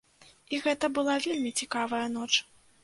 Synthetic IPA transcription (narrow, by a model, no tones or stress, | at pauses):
iɣɛt̪ɐbɨlˠavʲelʲmʲit͡sʲikavɐjɐn̪ɔt͡ʂ